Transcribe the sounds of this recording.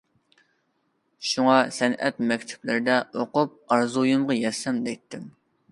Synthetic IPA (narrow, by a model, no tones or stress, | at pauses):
ʃuŋɑsɛnʔɛ̰t̪̚mɛkʲt̪ʰɪ̥plɪɾɪd̪ɛʔoqʊp̚ɑɾzujumʁɑjɛsɛmd̪ɛjt̪ʰːɪm